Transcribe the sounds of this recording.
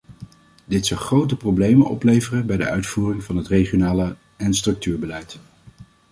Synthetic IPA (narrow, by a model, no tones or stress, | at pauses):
d̥ɪtsɑlˠχrowtəprowblejmənɔ̰plejvərənbɛjdə̰ʔœɥtfuːrɪŋvɑnɦətrejχjonaːlə | ɛnstrɵk̚tyːɹbəlɛjt